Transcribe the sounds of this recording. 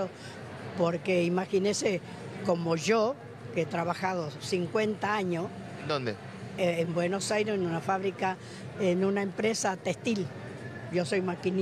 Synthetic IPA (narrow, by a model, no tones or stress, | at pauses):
o | po̞ɾkeimaxinese | ko̞mo̞ʒo | ket̪ɾaβaxaðosiŋkwe̞nt̪aaɲos | d̪ond̪eː | mbwe̞no̞sajɾesenũnafaβɾika | enũnaempɾe̞sat̪est̪il | ʒo̞so̞jmakin